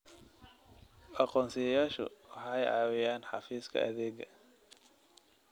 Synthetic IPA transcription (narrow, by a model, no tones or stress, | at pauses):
ʔɑqɔːnsɪjɐjaːʃʊ̰wɑħɑjʔɑ̰ːwɪjaːnħɑfiːskʰɐ̰ʔɐ̰ðɛːɡɐ